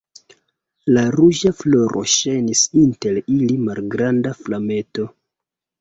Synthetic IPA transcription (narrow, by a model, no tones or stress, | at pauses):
laɾuʒaflo̞ɾʔo̞̰ʃejnisinte̞lilimalɡɾandaflame̞to̞